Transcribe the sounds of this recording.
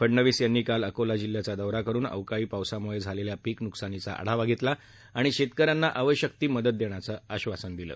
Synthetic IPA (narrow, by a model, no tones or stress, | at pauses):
pʰəɽnəʋiːsjanːiːkaləkolad͡ʑil̤ːjat͡sad̪əʋɾakəɾuːnə̰ʋkaiːpawsamuɭed͡zʱaleljapiːknuksanit͡sa̰ʔa̰ɽ̤aʋaɡʱit̪la | aɽ̃iɕet̪kəɾjanːaʔaʋəɕjək̚t̪iːməd̪ət̪̚d̪eɳ̃jat͡səːəɕʋasənd̪ilə̰ː